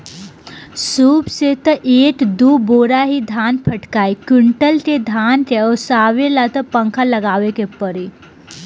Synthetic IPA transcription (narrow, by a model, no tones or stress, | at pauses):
suːpset̪əʔeʈd̪uboɾaɦid̪ʱanpʰəʈkajkuɳʈəlt̪ed̪ʱant̪esaʋelat̪əpəŋkʰaləɡaʋekepəɾi